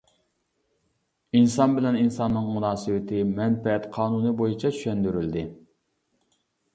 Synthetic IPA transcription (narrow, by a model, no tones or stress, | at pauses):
insɑnbɪlɛninsɑnːɨŋmunɑːsɨwɪt̪ʰɪmɛnfɛɛt̪qʰɑːnunɨbojit͡ʃʰɑt͡ʃ̪ʰy̥ʃɛnd̪yɾyld̪ɪ